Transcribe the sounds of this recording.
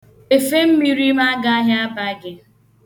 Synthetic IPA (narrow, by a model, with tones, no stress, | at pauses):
e˨fe˦m̩˦mi˦ɾi˦ma˦ɡa˦a˦ɦa˦a˦ba˦ɡɪ˨